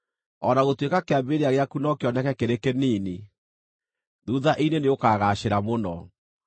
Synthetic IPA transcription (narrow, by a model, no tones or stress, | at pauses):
ɔnaɣotwekakeambeɾeaɣeakunɔkeɔnɛkɛkeɾekeniːne | ðuðaʔineneokaːɣaːɕeɾamonɔ